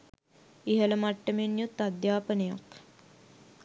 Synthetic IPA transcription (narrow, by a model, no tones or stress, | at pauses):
iɦələmaʈːəmenjut̪ːad̪jaːpənəjak